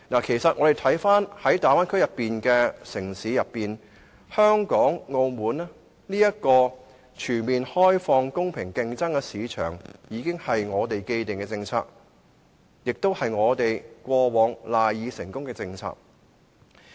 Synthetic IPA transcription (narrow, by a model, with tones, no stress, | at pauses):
naː˨˩kʰe˨˩jsɐ˨t̚ʔŋɔː˨˧ɾe˨˩jt̪ʰɐ˨˥jfaː˥nhɐ˨˥jt̪aː˨jwaː˥nkʰɵ˥ɥjɐ˨pːiː˨nkɛː˧sɪ˨˩ŋsiː˨˥jɐ˨pːiː˨n | hœː˥ŋkɔː˨˥ŋːo˧wmuː˨˧nɛ˥ | niː˥jɐ˥t̚kɔː˧ | t͡ʃʰyː˨˩nmiː˨nhɔː˥jfɔː˧ŋkʊ˥ŋpʰɪ˨˩ŋkɪ˧ŋt͡sɐ˥ŋkɛː˧siː˨˧t͡ʃʰœ̰ː˨˩ŋjiː˨˧kɪ˥ŋhɐ˨jŋɔː˨˧t̪e˨jke˧jt̪ɪ˨ŋkɛ˧t͡sɪ˧ŋt͡sʰa̰ː˧k̚ | jɪ˨k̚t̪o˥whɐ˨jŋɔː˨˧t̪e˨jkʷwɔː˧wɔː˨˧ŋlaː˨jjiː˨˧sɪ˨˩ŋkʊ˥ŋkɛː˧t͡sɪ˧ŋt͡sʰa̰ː˧k̚